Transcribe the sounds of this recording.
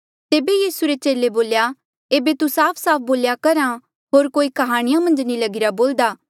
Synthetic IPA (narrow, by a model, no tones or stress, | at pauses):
t̪eːbejiːsuɾet͡ʃeːleboːlja | eːbet̪usaːpʰsaːp̚ʰboːljakɐɾã | ɦoːɾkoːikɐɦaːɽ̃ɪjamɐ̃nd͡ʒnilɐɡɪɾaboːld̪aː